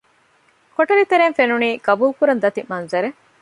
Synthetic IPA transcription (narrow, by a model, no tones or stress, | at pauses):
koʈɐɾit̪eɾenfenuniːɡɐbuːlkuɾɐnd̪ɐt̪imɐnzɐɾe